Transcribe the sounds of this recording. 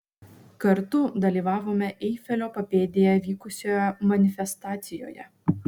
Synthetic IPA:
kɐɾt̪ʊd̪ɐlʲiːʋɑːʋoːmʲɛʔɛɪfʲɛlʲoːpɐpʲeːd̪ʲɪjɛʋʲiːkʊsʲoːjɛmɐnʲɪfʲɛst̪ɑːt̪sʲɪjo̰ːjɛ̰

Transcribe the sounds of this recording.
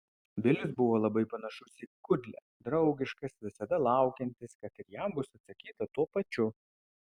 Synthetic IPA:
ʋʲɪlʲɪsbʊʋoːlˠɐbɐɪpɐnɐʃʊsʲɪkʊd̪ʲlʲɛ̰ | d̪ɾɒʊɡʲɪʃkɐsʋʲɪsɐd̪ɐlˠɑˑʊkʲɛnʲt̪ʲɪskɐt̪ɪɾjæmbʊsɐt̪sɐkʲiːt̪ɐt̪uɔpɐt͡ʃʲʊ

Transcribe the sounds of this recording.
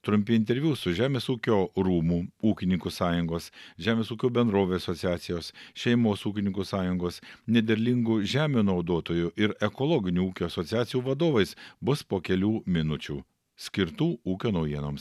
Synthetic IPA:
t̪ɾʊmʲpʲiɪnʲt̪ʲɛɾʲʋʲjuːsʊʒʲæːmʲeːsuːkʲoːɾuːmuːuːkʲɪnʲɪŋkusɑːjʊŋɡoːsʒʲæːmʲeːsuːkʲoːbʲɛnd̪ɾoːʋʲeːɐsosʲɪɑːt̪sʲɪjoːsʃʲɛɪmoːsuːkʲɪnʲɪŋkusɑːjʊŋɡoːsnʲɛd̪ʲɛɾʲlʲɪŋɡuʒʲæːmʲuːnɐʊd̪oːt̪oːjʊʔɪɾɛkolˠoːɡʲɪnʲuːuːkʲoːɐsɔːt̪sʲjɑːt̪sʲɪjuːʋɐd̪oːʋɐɪsbʊspoːkʲɛlʲuːmʲɪnʊt͡ʃʲuː | sʲkʲɪɾt̪uːuːkʲoːnɐʊjiɛno̰ːms

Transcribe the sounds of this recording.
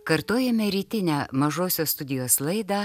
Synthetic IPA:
kɐɾt̪oːjɛmʲɛɾʲiːt̪ʲɪnʲæːmɐʒoːsʲoːsst̪ʊd̪ʲɪjoːslˠɐɪd̪ɑː

